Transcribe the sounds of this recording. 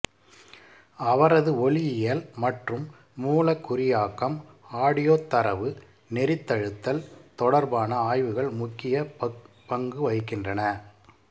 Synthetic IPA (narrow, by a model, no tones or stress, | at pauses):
ɐʋɐɾɐðɯɔɭɪjɪjɐlmɐʈrɯmː | uːlɐkːʊɾɪjaːkːɐm | aːɽɪjoːt̪ːɐɾɐʋɯ | nɛɾɪt̪ːɐɻɯt̪ːɐlt̪ɔɽɐɾbaːnɐaːjʋɯɣɐɭmʊkːɪjɐ | pɐŋɡɯʋɐɪkɪndrɐnɐ